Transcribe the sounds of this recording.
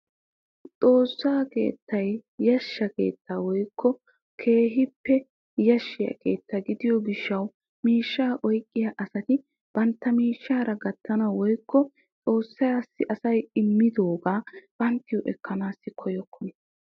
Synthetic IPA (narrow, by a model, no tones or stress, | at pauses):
t͡sʼo̞ːsːaːke̞̰ːt̪ːɐjjɐʃːɐke̞̰ːt̪ʰːaːwɔjkʰːɔ | kʰe̞ːɦɪpːɛ | jɐʃːɪjɐ̰kʰe̞̰ːt̪ːɐɡɪd̪ɪjɔɡɪʃːɐw | miːʃːaːʔɔjkʼːɪjɐʔɐsɐt̪ɪ | b̥ɐnt̪ːɐmiːʃːaːɾɐɡɐt̪ʰːɐnɐwɔjkːɔ | t͡sʼo̞ːsːɐjaːsːɪʔɐsɐjɪmːɪd̪o̞ːɡaːb̥ɐnt̪ːɪjɔʔɛkːɐnaːsːɪkʰɔjɔkʰːɔnɛ